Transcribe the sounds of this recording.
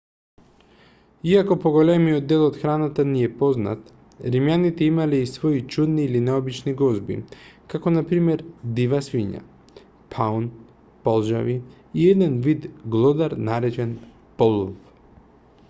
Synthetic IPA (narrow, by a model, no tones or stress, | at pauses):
iakɔpɔɡɔlɛmijɔd̪ːɛlˠɔt̪xɾanat̪aniɛpɔzna̰t̪ | ɾimjanit̪ɛimalɛisvɔit͡ʃud̪niːlinɛɔbit͡ʃniɡɔzbḭkakɔnapɾimɛɾd̪ivasviɲa̰ | pʰaun | pɔlˠʒa̰vi | iɛd̪ɛnvid̪ɡlˠɔd̪aɾnaɾɛt͡ʃɛn | pɔlˠuf